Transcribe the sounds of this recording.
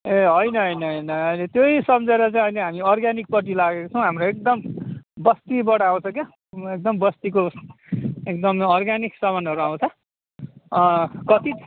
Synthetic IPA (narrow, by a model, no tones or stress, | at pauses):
eɦʌjnʌɦʌjnʌɦʌjnʌʌjlet̪jojsʌmd͡zeɾʌt͡saj̃ʌjleɦamiʌrɡanik̚pʌʈ̬ilaɡekot͡sʰʌw̃ɦamroek̚d̪ʌmbʌst̪ibʌɽaw̃t͡sʰʌke | ek̚d̪ʌmbʌst̪iko | ek̚d̪ʌmʌrɡaniksʌmʌnʌɾuaw̃t͡sʰʌ | kʌt̪i